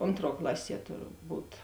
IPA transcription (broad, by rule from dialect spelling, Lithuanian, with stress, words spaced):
ˈoːntˌruɔ ˈklˠɑːˌsʲiɛ tʊrˈbuːt